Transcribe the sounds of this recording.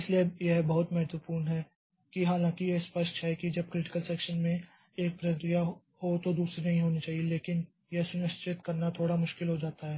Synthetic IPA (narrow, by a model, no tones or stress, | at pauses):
ɪsliejeɦbɐɦʊt̪mɛɦɛt̪wəpuːɾnɦɛː | kiɦaːlãːkijeɪspəʃʈɦɛkid͡ʒɐb̚kɾɪʈɪ̥kəlsɛːkʃənmẽ | eːk̚pɾəkɾijaɦ | ɦot̪od̪uːsɾinɐɦĩɦoːnit͡ʃaːɦieleːkɪn | jesʊnɪʃt͡ʃɪt̪kɐɾnat̪ʰoːɽamʊʃkɪlɦod͡ʒaːt̪aɦɛː